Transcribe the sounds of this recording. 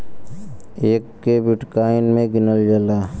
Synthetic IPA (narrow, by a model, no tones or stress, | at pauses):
eːkːebɪʈkaːɪnmẽɡɪnəld͡ʒəlaː